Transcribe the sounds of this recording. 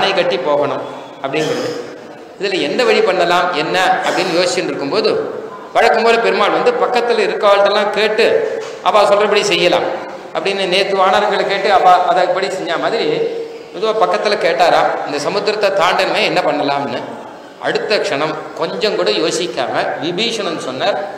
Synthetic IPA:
ɐnɐɪkɐʈːipːoːɣɐɳɯm | ɐpːɐɽɪnsɐnðɯ | ɪðɪlɐɛnd̪ɐʋɐɻipɐɳːɐlaːmɛnːɐɐpːɐɽɪnːɯjoːsɪt͡ʃːɪnɾɯkːɯmpoːðɯ | ʋɐɻɐkːɯmpoːðɯpɛɾɯmaːlʋɐnd̪ɯpɐkːɐt̪ːɪlɐɪɾɯkːɐːʋɐɭt̪ːɐlːãːkeːʈːɯ | ʔɐpːaːsɔlrɐpːɐɽisɛjːɐla̰ːm | ɐ̰pːɐɽɪnːɯneːt̪ːɯʋaːnaːɾɐŋɡɐɭɐkeːʈːɯɐpːaːʔɐðɐɪpːɐɽisɛɲd͡ʒaːmaːðɪɾi | ɔðɯʋaːpɐkːɐt̪ːɪlɐkeːʈːaːɾaːɪnd̪ɐsɐmɯd̪ɾɐt̪ːɐt̪aːɳɖɐnmeːɛnːɐpɐɳːɐlaːmnːɯ | ʔɐ̰ɽɯt̪ːɐkʂɐɳɐmkɔɲd͡ʒɐŋkuːɽɐjoːsɪkʲːa̰ːŋɐʋɪbiːʂɐñɛnːɯsɔnːaːɾ

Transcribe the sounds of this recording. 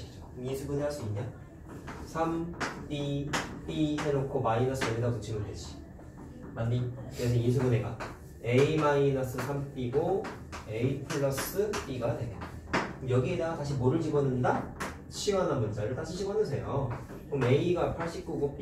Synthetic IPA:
id͡ʑomjisʰubuneaɭs͈uiɲːa | sʰampipisenokʰomainʌs͈ɯenedaɡot͡ɕʰimoded͡ʑʰi̥ | manːikes̬ʰʌjis̬ʰubuneɡa̰ | e̞imainʌs͈ɯsʰamp͈iɡo | eipʰɯɭːʌs͈ɯp͈iɡadeo | jʌɡiedaɡataɕ̬ʰimoɾɯɭd͡ʑibʌnɯnda | ɕʰiɡʌnanbunt͡ɕ͈ʰaɾɯɭtaɕʰiɕʰibʌnɯsʰe̞jo | kome̞iɡapʰaɭɕ͈ip̚k͈uɡopi

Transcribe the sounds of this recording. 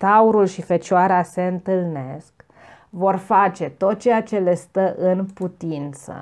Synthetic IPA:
t̪auɾulʃifet͡ʃoaɾease̞ɨnt̪ɨlne̞sk | vo̞rfat͡ʃe̞t̪o̞t̪̚t͡ʃe̞jat͡ʃe̞le̞st̪əʔɨnput̪int̪sə̰

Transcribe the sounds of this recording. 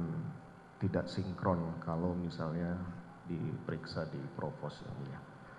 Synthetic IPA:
n | t̪idaʔsiŋkɾɔnkalomisalɲa | dḭpəɾiksadipɾopɔsja̰ŋmuɲa

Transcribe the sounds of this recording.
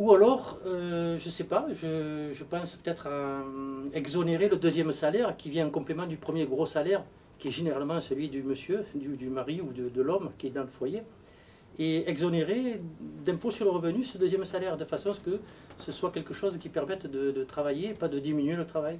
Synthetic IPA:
ualɔʁøʒəsɛpaʒəʒəpɑ̃spø̥t̪ɛt̪χa | ɛɡzoneʁeləd̪øzjɛmsalɛʁkʲivjɛ̃ɛ̃ŋkɔ̃plemɑ̃d̪ypχəmjeɡʁosalɛʁ | kʲiɛʒeneʁalmɑ̃səlɥid̪yməsjød̪yd̪ymaʁiud̪əd̪əlɔmkʲiɛd̪ɑ̃ləfwaje | eɛɡzoneʁed̪ɛ̃posyʁləʁəvənysəd̪øzjɛmsalɛʁd̪əfasɔ̃askə | səswakɛlkəʃɔzkʲipɛʁmɛt̪d̪əd̪ət̪χavajeːpad̪əd̪iminɥelət̪χavaj

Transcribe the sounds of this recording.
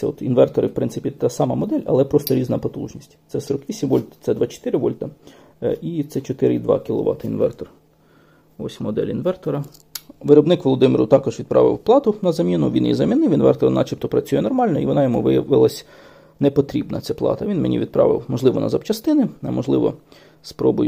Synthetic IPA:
ɛɔt̪inʋɛrt̪ɔɾɪwpɾɪnsɪpʲit̪ɑsɑmɐmɔd̪ɛlʲɐ̰lˠɛpɾɔst̪ɔɾʲiznɐpɔt̪ṵʒnʲisʲtʲt̪sɛsɔɾɔkʋʲisʲimʋɔlʲt̪t̪sɛd̪ʋɑt͡ʃɔ̥t̪ɪɾɪʋɔlʲt̪ɐ | it̪sɛt͡ʃɔt̪ɪɾɪid̪ʋɑ̰kʲilˠɔ̰ʋɑ̰t̪ɐinʋɛ̰rt̪ɔr | ɔsʲmɔd̪ɛ̰lʲinʋɛrt̪ɔɾɐ | ʋɪɾɔbnɪkʋɔlˠɔd̪ɪmɪɾʊt̪ɑkɔʒʋʲid̪̚pɾɑ̰ʋɪ̰wplˠɑt̪ʊnɐzɐmʲinʊʋʲḭnjḭzɐmʲinɪwinʋɛ̰rt̪ɔɾnɑ̰t͡ʃipt̪ɔpɾɐt͡sʲujɛnɔrmɑlʲnɔiʋɔnɑjɔmuʋɪjɐʋɪlˠɐsʲ | nɛpɔt̪ɾʲibnɐt͡sʲaplˠɑ̰t̪ɐʋʲinmenʲḭid̪̚pɾɑ̰ʋɪ̰wmɔʒlˠɪʋɔnɐ̰zɐpt͡ʃɐst̪ɪnɪnɐmɔʒlˠɪʋɔ̰ | spɾɔbʊ̰j

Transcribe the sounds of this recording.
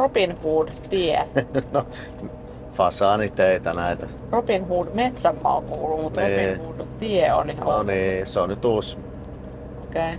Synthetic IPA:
ropinhuːd | t̪ieno | m | fɑsɑːnit̪eit̪ænæit̪æ | ropinhuːdmet̪sæmːɑ̰o̰ŋkuːlːumut̪oiːihuːdt̪ieo̰nioniːseonnyt̪us | okei

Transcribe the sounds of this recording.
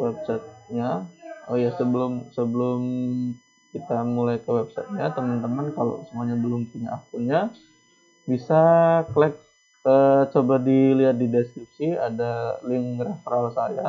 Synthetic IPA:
wɛp̚sɛt̪̚ɲaojasəbəlʊmsəbəlʊm | kit̪amulajkəwɛp̚sɛ̰t̪̚ɲat̪əmənt̪əmənkalo̰səmuaɲabəlʊmpuɲa̰ʔːfunɲa | bisaklɛk̚ | ət͡ʃobadiliɦat̪̚didɛskɾip̚siadalɪŋrafəɾalsaja

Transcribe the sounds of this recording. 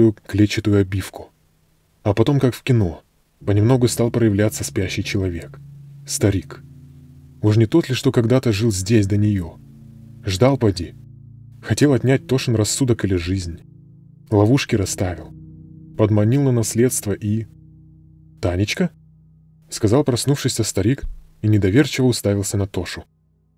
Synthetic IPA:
ʊjʊklʲet͡ɕɪt̪ʊjʊɐbʲifkʊ̥ | ɐpɐt̪o̞mkakfkʲɪno̞ | pənʲɪmno̞ɡʊst̪alˠpɾəjɪvlʲat̪səspʲæɕːɪjt͡ɕɪlˠɐvʲe̞kst̪ɐɾʲik | uʂnʲɪt̪ot̪lʲɪʂt̪o̞kɐɡd̪at̪əʐɨlˠzʲdʲesʲd̪ənʲɪjo | ʐd̪alˠpɐdʲi | xɐtʲe̞lˠɐt̪ʲnʲæt̚ʲt̪o̞ʂɨnrɐsːud̪əkɨlʲɪʐɨzʲnʲ | lˠɐvuʂkʲɪɾɐst̪avʲɪlˠpəd̪mɐnʲilˠnənɐsʲlʲe̞t̪st̪vəʔi | t̪anʲɪt͡ɕkə | skɐzɑlˠpɾɐsnufʂɨsʲəst̪ɐɾʲik | inʲɪd̪ɐvʲe̞rt͡ɕɪvəʊst̪avʲɪlˠsʲənɐt̪o̞ʂʊ

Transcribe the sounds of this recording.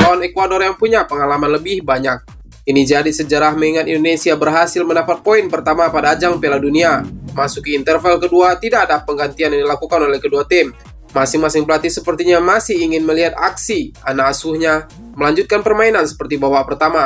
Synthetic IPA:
t̪awanekwadorjaŋpuɲapəŋalamanləbɪhbaɲak̚ | inid͡ʒadisəd͡ʒəɾahməŋiŋat̪ḭndonesiabərɦasɪlməndapat̪̚poinpərt̪amapadaːd͡ʒaŋpeladuniamasukəint̪ərfɛlkəduat̪idakːdpəŋɡant̪ianjaŋdilakukanolɛhkəduat̪ɪm | masɪŋmasɪŋpəlat̪isəpərt̪iɲamasɪhiŋɪnməliɦat̪a̰ksianaːsuhɲa | məlaɲd͡ʒut̪̚kanpərmainansə̥pərt̪ibawapərt̪ama

